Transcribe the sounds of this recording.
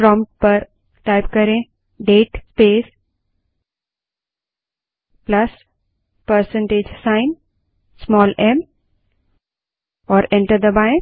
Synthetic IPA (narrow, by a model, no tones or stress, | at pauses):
pɾɔ̃ːmʈ̚pəɾ | ʈaɪpkɐɾẽ | ɖeːʈspeːs | plɐs | pəɾsə̃ɳʈeːd͡ʒsãɪ̃n | smɔːlɛ̃m | ɔːɾɛ̃ɳʈəɾd̪əbaɪ̃